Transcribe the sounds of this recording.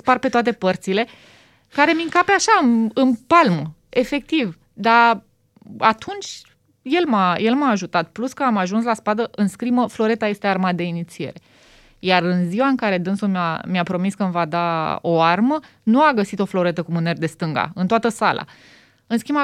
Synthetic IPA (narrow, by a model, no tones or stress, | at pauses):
sparpe̞t̪oat̪e̞pərt̪sile̞ | kaɾe̞miŋkapeaʃaɨnɨnpalm | e̞fe̞k̚t̪iv | d̪a | at̪ʰunt͡ʃʲ | je̞lmaje̞lmaːʒut̪at̪̚pluskəamaʒuns̬laspad̪əʔɨnskɾiməflo̞ɾe̞t̪aje̞st̪e̞armad̪e̞init̪sie̞ɾe̞ | jarɨnziwaɨŋkaɾe̞d̪ɨnsumʲa̰miapɾo̞miskəmvad̪ao̞armə | nuaɡəsit̪o̞flo̞ɾe̞t̪əkumɨnerd̪e̞st̪ɨŋɡa̰ɨnt̪oat̪əsalʔa̰ | ɨnskima